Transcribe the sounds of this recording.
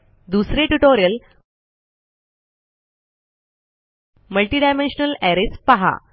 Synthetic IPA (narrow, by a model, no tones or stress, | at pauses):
d̪usɾeʈuʈoɾijɐl | məlʈiɖajmẽnʂnɐleɾespɐɦa̰